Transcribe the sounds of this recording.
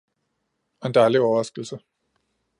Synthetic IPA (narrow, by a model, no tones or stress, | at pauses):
nd̥ɑliɒːʁasɡ̥l̩sə